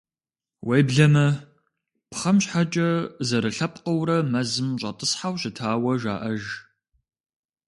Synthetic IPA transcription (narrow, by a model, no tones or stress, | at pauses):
wejbɮɐmɐ | pχɐmɕħat͡ʃʼɐzɐɾɨɬɐp̚ʼqɐwɾɐmɐzɨmɕʼɐtʼɨsħawɕɪtʰaːwɐʒa̰ːʔɐʒ